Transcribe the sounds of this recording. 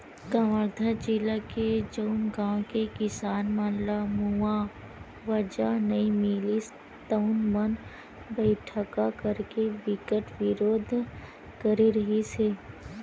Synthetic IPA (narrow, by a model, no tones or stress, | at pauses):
kəʋəɾd̪ʱad͡ʒilaked͡ʒəʊnɡãːwkekɪsaːnmaːnlamua | ʋəd͡ʒanɐĩmilis | t̪əʊnmən | bɛɪʈʰəkakəɾkeʋɪkəʈʋɪɾoːd̪ʱ | kəɾiɾɐɦiseː